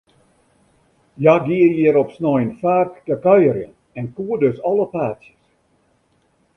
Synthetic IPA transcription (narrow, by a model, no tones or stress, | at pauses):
jaɡiəjiəɾɔpsnɔjnfaːrtkəkœjərjə̰n | ɛnkuədøsɔləpaːtsjəs